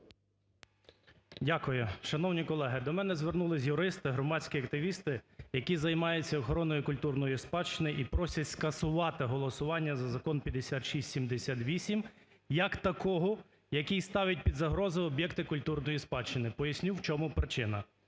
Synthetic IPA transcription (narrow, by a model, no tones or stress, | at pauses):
dʲakʊjʊʃɐn̪ɔwnʲikɔlˠɛɦɪd̪ɔmɛnɛzʋernulˠɪzʲjʊɾɪst̪ɪɦɾɔmɑsʲkʲiɐkt̪ɪʋʲist̪ɪjɐkʲizɐjmɑjʊt͡sʲːɐɔxɔɾɔnɔjikʊlʲt̪urnɔjʊspɑt͡ʃɪnɪʔipɾɔsʲɐtʲskɐsʊʋɑt̪ɪɦɔlˠɔsʊʋɑnʲːɐzɐzɐkɔnpʲjɐd̪esʲat̪ʃisʲtʲsʲimd̪esʲat̪ʋʲisʲim | jɐkt̪ɐkɔɦɔ | jɐkʲist̪ɑʋʲɐt̚ʲpʲid̪zɐɦɾɔzɔɔbjɛkt̪ɪkʊlʲt̪urnɔjispɑt͡ʃɪnɪpɔjɐsʲnʲuwt͡ʃɔmʊpɾɪt͡ʃɪnɐ